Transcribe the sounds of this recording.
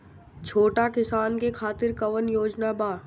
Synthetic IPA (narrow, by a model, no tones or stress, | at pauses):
t͡ʃʰoːʈakɪsaːnkekʰaːt̪ɪɾkɐʋənjoːd͡ʒnabaː